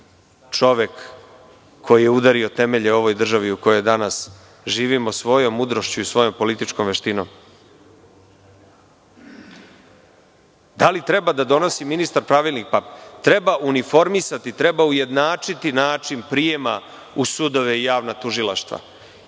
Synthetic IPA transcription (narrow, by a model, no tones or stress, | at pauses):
t͡ʂo̞ʋe̞kːʰ | o̞jijeud̪aɾio̞t̪e̞me̞ʎeo̞ʋo̞jd̪r̩ʒaʋiuko̞jo̞jd̪anas | ʒiːʋimosʋo̞jo̞mːud̪ɾo̞ʃt͡ɕuisʋo̞jo̞mpo̞lit̪it͡ʃko̞mʋeʃt̪ino̞̰m | d̪alit̪ɾe̞bad̪ad̪o̞no̞siminist̪aɾpɾaʋilˠnikpapt̪ɾe̞baʔunifo̞ɾmisat̪it̪ɾe̞bauje̞d̪naːt͡ʂit̪inaːt͡ʂinpɾije̞ma | usud̪o̞ʋe̞ijaːʋnat̪uʒilˠaʃt̪ʋa̰